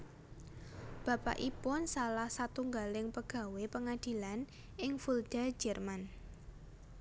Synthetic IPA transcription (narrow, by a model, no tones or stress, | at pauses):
b̥ä̤pa̰ʔipʊnsalahsat̪uŋɡalɪŋpəɡ̥ä̤wepəŋad̪̥i̤lan | ʔɪŋfuld̥a̤̥d͡ʒʒ̥ɛrman